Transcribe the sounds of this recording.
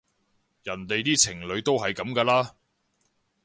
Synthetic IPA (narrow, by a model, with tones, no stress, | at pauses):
jɐ˨˩nt̪e˨jt̪iː˥t͡sʰɪ˨˩ŋlɵ˨˧ɥt̪o˥wɦɐ˨jkɐ˨˧˥mkaː˧laː˥